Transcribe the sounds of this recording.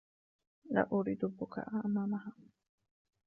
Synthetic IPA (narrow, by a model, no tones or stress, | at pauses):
ɢa̰ʔuɾid̪upukʰa̰ʔamamaɦa